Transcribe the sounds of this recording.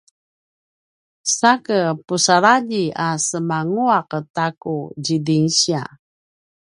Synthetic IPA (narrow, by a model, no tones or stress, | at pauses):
sakəpusaɾaʎiasəmaŋuaqətakuɟidiŋɕia̰